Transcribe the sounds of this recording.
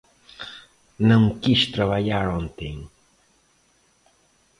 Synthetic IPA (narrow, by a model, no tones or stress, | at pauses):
nəŋkiʃt̪ɾaβaʎaɾont̪iŋ